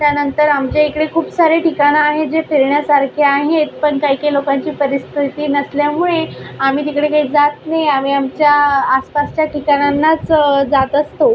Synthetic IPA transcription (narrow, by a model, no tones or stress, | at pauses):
t̪janənt̪əɾamt͡ɕaikɽekʰuːpsaɾeʈikaɽ̃aːɦed͡zefiɾɳjasaɾkʰeaɦet̪̚pəɳkaɦikelokaɲt͡ɕiːpəɾist̪ʰit̪iːnəsljamuɭeamiːt̪ikɽekaɦiːd͡zat̪najamiːamt͡ɕjaːspast͡ɕjaʈikaɽ̃janːat͡sd͡zat̪əst̪o